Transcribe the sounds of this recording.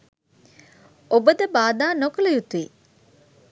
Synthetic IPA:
obəd̪əbaːd̪aːnokələjut̪ui

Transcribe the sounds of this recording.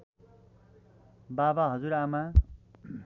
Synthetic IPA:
babaɦʌd͡zuɾama

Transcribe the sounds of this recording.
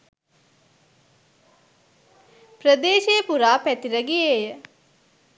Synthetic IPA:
pɾəd̪eːʃejəpuɾaːpæt̪iɾəɡieːjə

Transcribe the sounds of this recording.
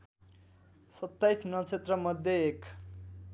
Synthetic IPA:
sʌt̪ːajsnʌt͡sʰet̪rʌmʌd̪ʱːjeek

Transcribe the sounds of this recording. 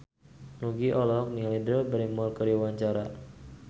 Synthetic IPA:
nuɡiʔɔlɔk̚nilidəlbəɾimɔrkəɾiwaɲt͡ʃaɾa

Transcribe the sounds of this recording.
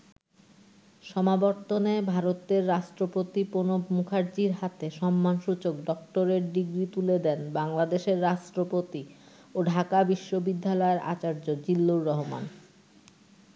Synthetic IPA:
ʃɔmabɔɾt̪onebʱaɾot̪eɾːaʃʈɾopot̪iponobmukʰaɾd͡ʑiɾɦat̪eʃɔmːanʃut͡ɕokɖɔk̚ʈoɾeɾɖiɡɾit̪uled̪ɛnbaŋlad̪eʃeɾːaʃʈɾopot̪i | oɖʱakabiʃːobid̪ʱːalɔeɾʔa̰t͡ɕaɾd͡ʑod͡ʑilːuɾːɔɦoma̰n

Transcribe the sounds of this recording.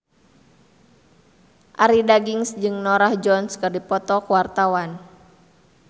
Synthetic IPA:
ʔaɾidaɡiŋsd͡ʒɨŋnɔɾahd͡ʒɔnskɨrdipɔt̪ɔkwart̪awan

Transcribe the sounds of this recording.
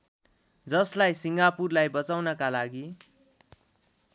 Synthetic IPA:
d͡zʌslajsiŋɡapurlajbʌt͡sawnʌkalaɡi

